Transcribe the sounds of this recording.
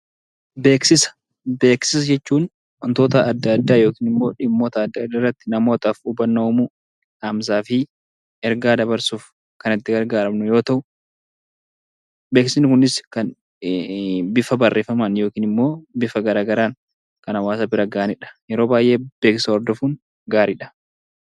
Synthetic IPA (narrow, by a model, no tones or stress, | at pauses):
beːksɪsɐ̥ | be̞ːksɪs̬ɐd͡ʒɛt͡ʃːuːn | ɐnt̪o̞ːt̪ɐɐd̪ːɐd̪ːaːjoːkiːnɪmːo̞ːᶑɪmːo̞ːt̪ɐːd̪ːɐd̪ːaːrːɐt̪ːɪnɐmo̞ːt̪aːfʊbɐnːɐmʊ | aːms̬aːfɪ | ɛɾɡaːd̪ɐbɐɾsuːf | kɐnɪt̪ːɪɡɐɾɡaːɾɐmnʊjo̞ːt̪ɐʔʊ | beːksɪnːɪkʊnːɪskɐn | bɪfɐbɐrːeːfɐmaːnjo̞ːkiːnɪmːo̞ːbɪfɐɡɐɾaːɡɐɾaːn | kɐnɐwaːsɐbɪɾɐɡaːnɪᶑɐ̥jɛɾo̞ːbaːjʔe̞ːb̥eːkɪsɐɔɾd̪ɔfuːn | ɡaːɾɪᶑɐ̥